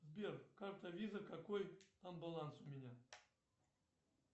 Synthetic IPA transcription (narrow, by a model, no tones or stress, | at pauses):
zbʲerkart̪ɐvʲizɐkakɔjt̪ambalˠansʊmʲɪnʲa